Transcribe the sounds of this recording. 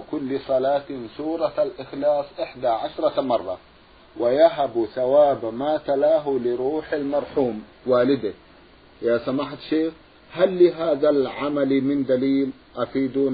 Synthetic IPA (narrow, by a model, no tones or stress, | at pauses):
kʊlːɪsˤɑlaːt̪suːɾˤɑalʔɪxlɑːsˤʔɪħd̪aʕaʃɾˤɑmɑrˤːɑ | wajaɦabuθawaːbmaːt̪alaːɦulɪɾuːħalmɑɾˤħuːm | waːlɪd̪ak | jaːsamaːħt̪ʃeːx | halːiɦaːðalʕamalimɪnd̪aliːl | ʔafiːd̪u